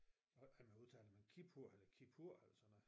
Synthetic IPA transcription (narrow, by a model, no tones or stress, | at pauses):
ɒæmænuðˠt͡sʰɛ̰ːləmænkʰipʰuɐ̰elɐkʰipʰuɐ̰æl̰̥ɐsɒn